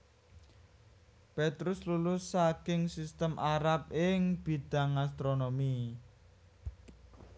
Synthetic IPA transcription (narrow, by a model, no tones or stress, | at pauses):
pet̪ɾʊslulʊsːakɪŋsist̪əmʔaɾap̚ɪŋb̥i̤d̪̥a̤ŋas̬t̪ɾonomi